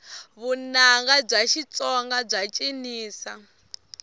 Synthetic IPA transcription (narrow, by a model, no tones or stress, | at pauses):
βunaŋɡab͡ʐaʃit͡sʼɔŋɡab͡ʐat͡ʃʼiniːsa